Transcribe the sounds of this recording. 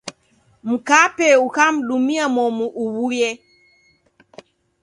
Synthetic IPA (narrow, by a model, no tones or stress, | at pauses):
m̩kapɛukam̩ɗumiamɔmuʔuβujɛ